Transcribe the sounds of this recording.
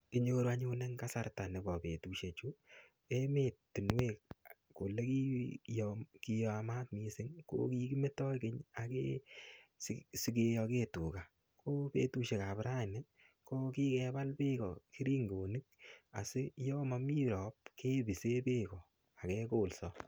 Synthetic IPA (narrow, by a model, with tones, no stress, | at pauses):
ki˨ɲo˦ɾwa˦ɲo˧ne˦ŋka˦sa˦rta˨ne˨bɔ˨pe˨tu˨ʃe˨t͡ʃu˦ | e˦me˨tːi˨nwe˦k̚ | ko˨le˦ki˦jɔki˧ja˧ma˦t̚misɪ˦ŋko̰˦ki˦ki˦me˦tɔ˦jke˦ɲa˨ke˦ | ssi˧k̬e˧jɔ˧ke˦tu˨ka˨ | kʰo˦pe˦tu˧ʃe˨ka˨pɾa˦˨nɪ˦ | ko˦ki˦kɛ˧ba˦lpe˦kɔ˨ki˦ɾi˦ŋɡo˨ni˦k̚a̰˨sɪ˦jɔ˦ma˨mi˦ɾɔ˨p̚ke˦bi˨se˦pe˦kɔ˨ | a˨kɛ˦koː˦˨lsɔ